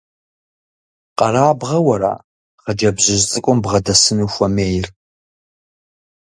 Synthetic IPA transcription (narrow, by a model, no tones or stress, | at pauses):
qɐɾaːbʁɐwɐɾa̰ː | χɐd͡ʒɐbʑɪʑt͡sʼɨkʷʼʊmbʁɐdɐsɨnuxʷɐmeːjr